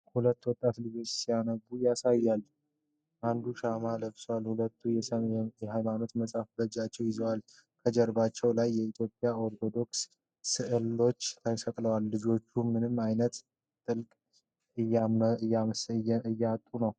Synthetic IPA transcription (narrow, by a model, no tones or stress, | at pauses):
hulət̪ːwɔt̪ʼːat̪lɨd͡ʒo̞t͡ʃːsijanəɡujasajːalː | ʔand̪uʃamaləbswalhulət̪ʰːujɛjɛhajmano̞t̪məsʼafbəd͡ʒat͡ʃːɛwjɪzəwal | kʰəd͡ʒɛɾbat͡ʃːɛwlajːɛit̪ʰjo̞pʼjao̞ɾt̪ʰo̞d̪o̞ks | sɨʔɨlːo̞t͡ʃːt̪ʰajsəkʼləwalːɨd͡ʒo̞t͡ʃːumːɨnɨmajnət̪ | t̪ʼɨlkʼ | ɨajaɨjːɛat̪ʼːunəw